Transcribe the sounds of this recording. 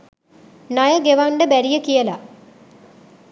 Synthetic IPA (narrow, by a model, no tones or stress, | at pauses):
najəɡeʋaɳɖəbæɾijəkijəla